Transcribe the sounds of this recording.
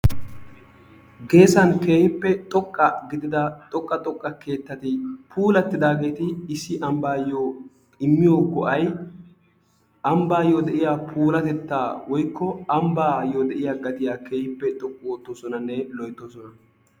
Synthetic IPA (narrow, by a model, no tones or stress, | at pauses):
ɡe̞ːsɐnke̞ːhɪpːɛt̪ʼɔkʼːɐɡɪd̪ɪd̪ɐt̪ʼɔkʼːɐt̪ʼɔkʼːɐke̞ːt̪ːɐt̪ɪpʰuːlɐt̪ːɪd̪aːɡe̞ːt̪ɪɪsːɪʔɐmbaːjoː | ɪmːɪjoːkɔʔɐj | ʔɐmbaːjoːd̪ɛʔɪjaːpʰuːlɐt̪ɛt̪ːaːwɔjkːɔɐmbaːjoːd̪ɛʔɪjaːɡɐt̪ɪjaːke̞ːhɪpːɛt̪ʼɔkʼːʊwoːt̪ːoːsɔnɐnːɛlɔjt̪ːoːsɔnɐ